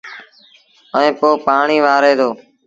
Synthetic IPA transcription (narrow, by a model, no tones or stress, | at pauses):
əẽːpoːpaːɳiːʋaːɾeːd̪oː